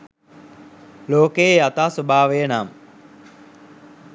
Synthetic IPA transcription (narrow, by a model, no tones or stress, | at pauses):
loːkejeat̪aːsobʱaːʋejənaːm